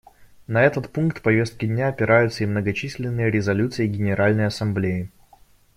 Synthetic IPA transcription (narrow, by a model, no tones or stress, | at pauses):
nɐɛt̪ət̪punkt̪pɐvʲe̞st̪̚kʲɪd̪ʲnʲaɐpʲɪɾʔajʊt̪sːəimnəɡɐt͡ɕisʲlʲɪnːɨjəɾʲɪzɐlʲut̪sɨjɪɡʲɪnʲɪɾʔalʲnəjɐsɐmblʲejɪ